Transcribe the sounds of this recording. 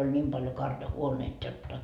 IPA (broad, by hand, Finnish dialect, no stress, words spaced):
olʲ nʲiːm pɑljo kɑrjɑhuoneit jotːɑ